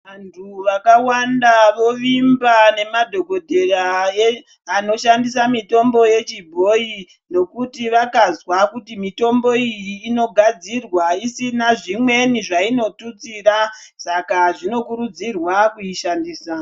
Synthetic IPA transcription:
ʋantʰuʋakawandaʋo̞ʋimbane̞madʱo̞ɡo̞dʱe̞rajeː | no̞ʃandis̬amito̞mbo̞je̞t͡ʃibʱo̞i | no̞kutiʋakazwakutimito̞mbo̞ijiːno̞ɡʱad͡zirwaisinaʐimwe̞niʐaino̞tut͡siːrasakaʐino̞kuɾud͡zirwakuiʃandiːsa

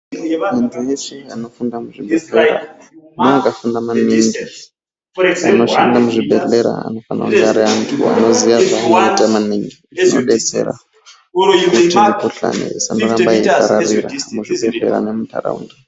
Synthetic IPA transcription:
mindijeseano̞fundamuʐibʱeɬeɾa̰noakafundamaniŋɡi | ano̞ʃandamuʐibʱeɬeɾa̰a̰no̞fana̰uŋɡaɾiantʰṵa̰no̞ziʋaʐaːnoitamaniŋɡiinoɗet͡se̞̰ɾa̰ | kutimukuɬa̰nḭesanoɾambaikaɾariɾa̰muʐibʱeɮḛɾa̰nemutʰa̰ra̰ṵnda

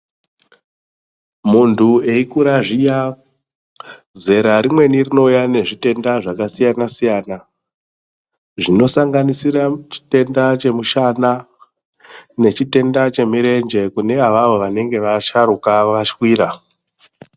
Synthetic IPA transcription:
muntʰue̞ikuɾaʐija | ze̞ɾaɾimwe̞nirino̞ujane̞ʐite̞ndaʐakasijanasijana | ʐino̞saŋɡanisiɾat͡ʃi̥te̞ndat͡ʃe̞muʃana | ne̞t͡ʃite̞ndat͡ʃe̞miɾe̞nd͡ʒe̞kune̞aʋaʋoʋane̞ŋɡe̞ʋaʃaɾukaʋaʃkwiːɾa

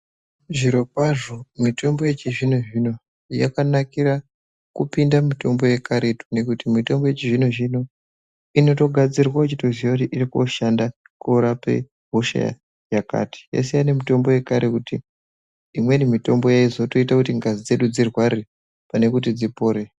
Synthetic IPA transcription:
ʐiɾo̞kwaʐo̞mito̞mbo̞jet͡ʃiʐinoʐino̞ | ja̰kanakira | kupindamito̞mbo̞je̞kaɾetu̥ne̞kutimito̞mbo̞je̞t͡ʃiʐinoʐino̞ | ino̞to̞ɡʱad͡zirwaut͡ʃito̞ziwakutiʔiɾiko̰ʃanda | koɾape̞̰ | ɦoʃa̰ja̰ | jaka̰ti̥jḛs̬ejane̞mito̞mbo̞je̞kaɾekuti | imwe̞nimito̞mbo̞jaizo̞to̞itakutiŋɡazid͡ze̞ɗud͡zirwari | pane̞kut̬id͡zipo̞ːɾe

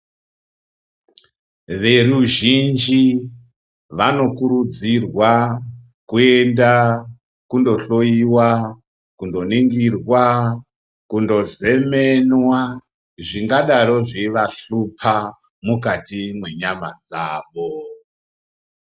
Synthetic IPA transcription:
ʋe̞ruʒind͡ʒi | ʋano̞kuɾud͡zirwa | kue̞nda | kundo̞ɬo̞jiwa | kundo̞niŋɡirwa | kundo̞ze̞menwa | ʐiŋɡaɗaɾo̞ʐeʋaɬupʰa | mukatimwe̞ɲama̰d͡zaːʋo

